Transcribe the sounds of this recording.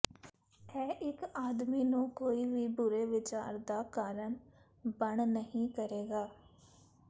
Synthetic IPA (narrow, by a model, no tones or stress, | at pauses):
ɛːʔɪkaːd̪miːnũːkoːiːʋiːbʊɾeːʋɪt͡ʃa̰ːɾd̪aːkaːɾəɳ | bəɳnəɦĩːkəɾeːɡaː